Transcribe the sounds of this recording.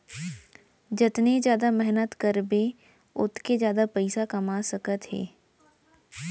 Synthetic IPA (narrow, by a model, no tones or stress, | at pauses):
d͡ʒɪt̪ned͡ʒjaːd̪amɛɦnət̪kəɾbe | ʊt̪kezjaːd̪apəɪsakɐmasəkət̪ɦḛː